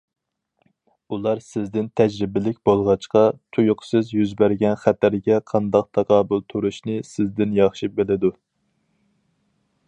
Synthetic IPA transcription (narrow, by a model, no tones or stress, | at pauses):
ulˠɑɾsɪzd̪ɪnt̪ʰɛd͡ʒɾɪbɪlɪkʲbolˠʁɑt͡ʃqɑt̪ʰujʊqsɨzjyzbæɾɡʲɛnχæt̪ʰæɾɡʲɛqʰɑnd̪ɑq̚t̪ʰɑqʰɑːbʊlˠt̪ʰuɾuʃnɪsɪzd̪ɪnjɑχʃibelɪd̪u